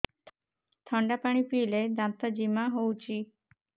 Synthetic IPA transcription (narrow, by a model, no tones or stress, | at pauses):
t̪ʰɔ̃ɳɖapaːɽ̃ipiːled̪ãm̚t̪ad͡ʒimaɦout͡ʃʰiː